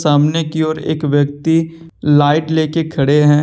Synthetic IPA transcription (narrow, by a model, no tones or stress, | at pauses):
saːmnekiɔːɾḛːkʋjəkt̪i | laːɪʈleːkekʰɐɽeɦɛ̃ː